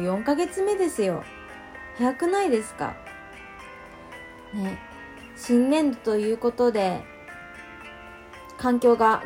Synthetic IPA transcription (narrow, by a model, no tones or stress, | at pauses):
jõ̞ŋkaɡe̞t͡sɨme̞d̪e̞sɨjo̞̰ | hajakɯ̟naid̪e̞sɨ̥ka̰ | ne | ɕĩnːẽ̞nd̪ot̪o̞jɯ̟ːko̞t̪o̞d̪e̞ | kãŋkʲo̞ːɡa